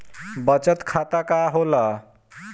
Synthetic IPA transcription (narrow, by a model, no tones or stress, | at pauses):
bʌt͡ʃət̪kʰat̪akaɦolʌ